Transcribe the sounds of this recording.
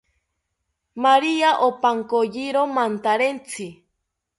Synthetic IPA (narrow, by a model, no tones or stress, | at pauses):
maɾiaʔopaŋkojiɾomant̪aɾent͡sʰi